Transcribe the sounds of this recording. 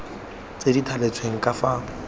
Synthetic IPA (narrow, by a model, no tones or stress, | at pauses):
t͡sʼeditʰalet͡sʰweŋ̩kʼafaːŋ̩